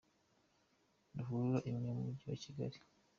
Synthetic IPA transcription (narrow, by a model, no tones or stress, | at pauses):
nduvuɾuɾaʔimɲemumuɟiwa̰ciɡa̰ɾi